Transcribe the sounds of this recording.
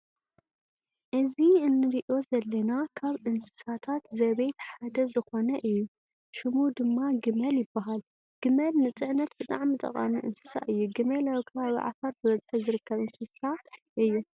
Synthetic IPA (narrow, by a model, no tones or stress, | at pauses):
ʔɨziɨnːɨɾiʔo̞zɐlːɐnakʰaβʔɨnsɨ̥sat̪ʰat̪zɐβejt̪ħad̪ɐzɨxo̞nɐʔɨjːu | ʃɨmud̪ɨmːaɡɨmɐljɪbːaɦal | ɡ̥ɨmɐlnɨt͡sʼɨʕnɐt̪̚bɨt̪ʼa̰ʕmit̪ʼɐ̰qʼɐ̰miʔɨ̰nsɨ̥sa̰ʔɨjːuɡɨmɐlawikʰɨβaβḭʕa̰fɐɾbɨβɐzħizɨɾɨkːɐβɨnsɨsaʔɨjːu